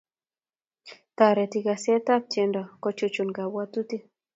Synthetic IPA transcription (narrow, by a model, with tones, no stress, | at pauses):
t̪a˨ɾɛ˨t̪i˨ɡa˨sɛ˦t̪a˦p̚t͡ʃɛ˨ndɔ˨kɔ˦t͡ʃu˦t͡ʃu˨nɡa˨bwa˦t̪u˦t̪i˦